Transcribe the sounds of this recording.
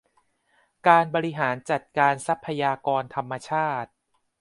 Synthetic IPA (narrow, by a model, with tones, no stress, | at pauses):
kaː˧nbɔː˧ɾi˦ɦaː˩˦nt͡ɕa˨˩t̪̚kaː˧nsa˦˥pʰːa˧jaː˧kɔː˧nt̪ʰa˧mːa˧t͡ɕʰaː˥˩t̪̚